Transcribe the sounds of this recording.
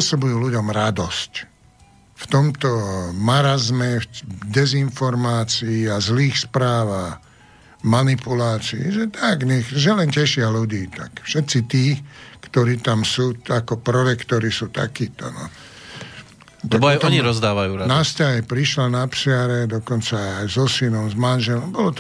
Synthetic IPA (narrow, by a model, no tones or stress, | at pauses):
pɔsɔbujuːluɟɔmɾad̪ɔsc | ft̪ɔmt̪ɔmaɾazmɛfd̪ɛzinfɔɾmaːt͡siːazliːxspɾaːʋax | manipulaːt͡siḭʒɛt̪aɡɲɛxʒɛlɛncɛʃɪaluɟiːt̪a̰kfʃɛt̪t͡sit̪iːkt̪ɔɾiːt̪amsuːakɔpɾɔɾɛkt̪ɔɾisuːt̪a̰kiːt̪ɔ̰nɔ̰ | t̪at̪ɔɲiɾɔzd̪aːʋajuːɾanascaɦɛpɾiʃlanapsɪaɾɛd̪ɔkɔnt͡saːjzɔsinɔmzmanʒɛlɔmbɔlɔt̪